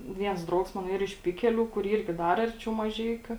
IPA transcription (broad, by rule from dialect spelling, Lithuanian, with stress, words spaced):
ˈʋʲiɛns ˈdrɐʊks ˈmɑːnoː ˈiːr ɪʃ ˈpʲɪkʲɛˌlʲuː kʊr ˈiːrʲɡʲɪ ˈdɐr ˈɐrʲˌt͡ʃʲɛʊ mɐˈʒʲɛɪkʲʊ